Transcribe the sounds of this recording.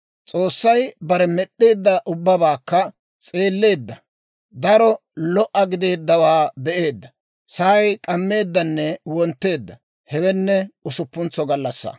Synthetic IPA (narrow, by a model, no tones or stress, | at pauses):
t͡sʼo̞ːsːɐjbɐɾɛmɛɗːeːd̪ːɐʔʊbːɐbaːkːɐ | t͡sʼeːlːe̞ːd̪ːɐ | d̪ɐɾɔ | lɔʔɐɡɪd̪e̞ːd̪ːɐwaːbɛʔe̞ːd̪ːɐ | sɐɐjkʼɐmːe̞ːd̪ːɐnːɛwɔnt̪ːe̞ːd̪ːɐ | hɛwɛnːɛʊsʊpːʊnt͡sːɔɡɐlːɐsːa̰